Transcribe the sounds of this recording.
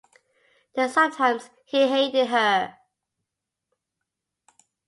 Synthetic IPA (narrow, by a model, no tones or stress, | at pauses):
ð̥əsʌ̃mtʰãɪ̃mz̥ | hiɦeɪtɪd̚ɦə